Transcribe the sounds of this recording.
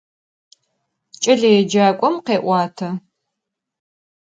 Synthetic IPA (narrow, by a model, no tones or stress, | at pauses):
t͡ʃʼɐɮɐjɛd͡ʒaːkʷʼɔmqeːʔʷɑːtʰɐ